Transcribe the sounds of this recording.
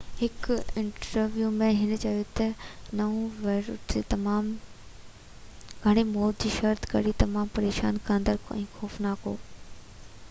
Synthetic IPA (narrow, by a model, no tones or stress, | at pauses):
hɪkɪ̃ɳʈəɾʋjuːmẽɦɪn̆t͡ɕɐjot̪ɐnɐũʋɐɾet̪ɐmaːm | ɡʱɐɽ̃emoːd̪̚d͡ʑiːʃɐɾt̪ʰkɐɽit̪ɐmaːmpɐɾeːʃa̰ːnkãːnd̪əɾkʰoɛ̰̃ːxɔːfnaːko̰ː